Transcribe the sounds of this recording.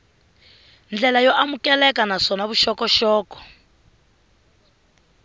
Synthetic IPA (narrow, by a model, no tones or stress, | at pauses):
nd͡ɮɛlajɔʔamukɛlɛkanaʂɔnaβuʃɔkɔʃɔːkɔ̥